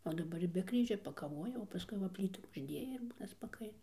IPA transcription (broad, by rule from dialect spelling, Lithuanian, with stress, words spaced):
oː dɐˈbɐr ɪr bʲɛ ˈkrʲiːʒʲoː pɐkɐˈʋoːjɛ oː pɐˈskʊɪ ʋɐ ˈpʲlʲiːtuː ʊʒʲˈdʲeːjɛ ɪr ˈbuːnɐ spɐˈkɐɪnɐ